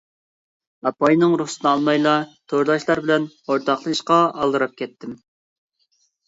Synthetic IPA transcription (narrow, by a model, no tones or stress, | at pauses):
ɑpɑjnɨŋɾuχsɨnɨɑlˠmɑjlˠɑt̪ʰoɾd̪ɑʃlˠɑɾbɪlɛn | oɾt̪ʰɑχlˠɨɨʃqɑɑlˠd̪ɨɾɑp̚kʲʰɛt̪ʰːɪm